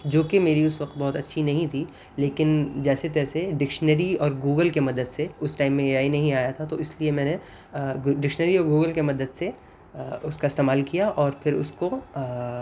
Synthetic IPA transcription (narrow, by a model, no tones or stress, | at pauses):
d͡ʒoːkemeːɾiʊsʋɐq̚t̪̚bɔːʊt̪ɐtːʃʰinɐɦĩt̪ʰi | leːkɪnd͡ʒɛːset̪ɛːseɖɪkʃnəɾiɔːɾɡuːɡəlkemɐd̪əd̪seʊsʈaːɪmːẽeːaːinɐɦĩaːjat̪ʰat̪oɪsliemɛ̃ːne | ɖɪkʃnəɾiɔːɾɡuːɡəlkemɐd̪əd̪se | ʊskaɪst̪eːmaːlkijaʔɔːɾpʰɪɾʊ̰sko